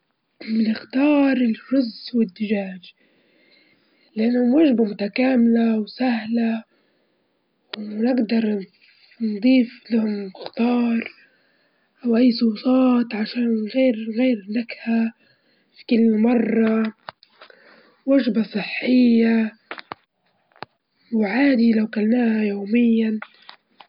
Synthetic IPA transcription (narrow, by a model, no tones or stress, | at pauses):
mɪnɪxt̪ɑːɾˤɪlʒʊzʔwɪd̪ːɪʒaːʒ | lɪʔanːhʊmwaʒbamʊt̪akaːmɪlawsahla | wnɪɡd̪ɑɾˤ | nd̪ˤiːflahʊmɪxt̪ɑːɾˤ | ʔawʔajːsˤʊːt̪ˤɑːt̪ʕaʃaːnɣeːɾɣeːɾnakha | fi̥kɪlːmɑrˤːɑ | waʒbasˤɨħːɪjːa | wʕaːd̪ilawkalnaːhajoːmɪjːan